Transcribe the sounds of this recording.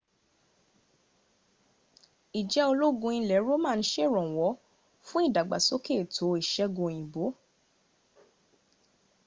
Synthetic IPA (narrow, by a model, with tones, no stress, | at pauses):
i˨d͡ʒɛ˨˦o˧lo˦ɡũ˧ĩ˧˨lɛ˨˦ɾo˦mã˦˧n̩˦ʃe˦˨ɾɔ̃˨wɔ˨˦ | fũ˦i˦˨da˨ɡ͡ba̰˨so˨˦ke˦˨tʰo˨˦i˨ʃɛ˧ɡũ˧˨jĩ˨bo˨˦